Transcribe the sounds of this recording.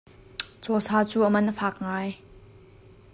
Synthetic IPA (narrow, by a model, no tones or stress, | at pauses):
t͡sɔːsaːt͡suːʔəmɐnʔəfʰaːk̚ŋaːj